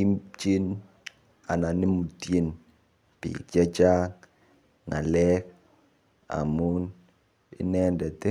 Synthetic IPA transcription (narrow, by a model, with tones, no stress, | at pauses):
i˦t͡ʃi˦n | a˨na˨ni˦mu˨te˨n | pḭ˨d͡ʒa˦t͡ʃa˦k | ŋa̰˨lɛ˦k̚ | a̰˨mu˦n | ḭ˦nɛ˦ndɛ˨te˦